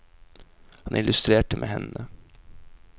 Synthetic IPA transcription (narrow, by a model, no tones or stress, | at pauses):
hɑnʔɪlʉst̪ɾeːʈəmʔḛːhɛnːə